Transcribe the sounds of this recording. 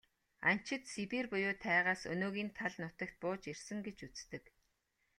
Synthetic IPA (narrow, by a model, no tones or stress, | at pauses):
a̰n̥t͡ɕɪ̆t̪sipiːrpʊjʊːt̪ʰæːʁaːsɵ̰noːɣiːnt̪ʰaɮnʊt̪ə̆k̚t̪̚pʊːt͡ɕersɘ̆ŋɡet͡ɕut͡st̪ɘ̆k